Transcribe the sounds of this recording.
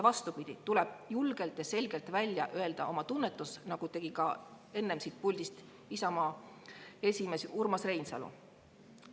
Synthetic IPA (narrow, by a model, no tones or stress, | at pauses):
vɑst̪upid̪̥ʲit̪ulɛb̥julɡ̥e̞lt̪jɑse̞lʲɡ̥e̞lt̪vælʲjɑ̰ʔø̞e̞ld̪̥ɑo̞mɑt̪unːet̪ːˑusnɑɡ̥ut̪e̞ɡ̥ikɑ | e̞nːemsiːt̪̚pulʲd̪ist̪ | isɑmɑː | e̞sʲime̞surmɑsre̞jnsɑ̰lṵ